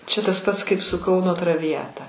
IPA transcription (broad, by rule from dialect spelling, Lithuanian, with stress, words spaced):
ˈt͡ʃʲɛ tɐs ˈpɐts kɐɪp sʊ ˈkɐʊnoː trɐʋʲɪˈjæːtɐ